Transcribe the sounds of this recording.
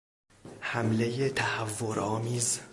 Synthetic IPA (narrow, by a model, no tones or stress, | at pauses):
hæmle̞jet̪ʰæhævːoɾɒːmiːz